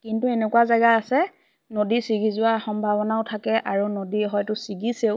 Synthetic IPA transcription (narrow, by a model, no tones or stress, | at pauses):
kintuenekuwazajɡaasɛ | nodisiɡizʊwaxɔmbʱabɔnaʊtʰakɛʔaɹunodiɦɔjtʊsiɡiseʊ